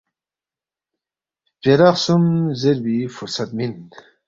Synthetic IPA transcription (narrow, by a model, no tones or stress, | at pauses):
peɾaχsumzeɾbifuɾsat̪̚min